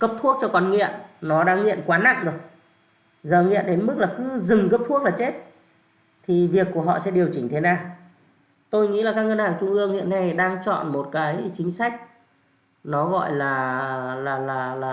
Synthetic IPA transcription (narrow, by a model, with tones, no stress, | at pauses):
kə˦˥p̚t̪ʰu˦˥ək̚t͡ɕɔ˧kɔ˧˩nŋḭ˧˨ənnɔ˨˦ɗaː˧ŋːḭ˧˨ənkwaː˨˦na̰˧˨ŋɗɨ˨˩ək̚ | zəː˨˩ŋḭ˧˨ənɗe˨˦nmɨ˦˥k̚laː˨˩kɨ˨˦zɨ˨˩ŋkə˦˥p̚t̪ʰu˦˥ək̚laː˨˩t͡ɕe˦˥t̚ | t̪ʰi˨˩vi˨˩əkːu˧˩əɦɔ̰˧˨sɛ̰˧˥ɗi˨˩əwt͡ɕï˨˩ŋ̟t̪ʰe˨˦naː˨˩w | t̪o˧jŋḭ˧˥laː˨˩kaː˦k̚ə˧nhaː˨˩ŋt͡ɕʊ˧ŋʔɨ˧əŋhḭ˧˨əna˧jɗaː˧ŋt͡ɕɔ̰˧˨nmo˨˩t̚kaː˨˦jt͡ɕï˨˦ŋ̟sa˦˥jk̟̚ | nɔ˨˦ɣɔ̰˧˨jlaː˨˩laː˨˩laː˨˩laː˨˩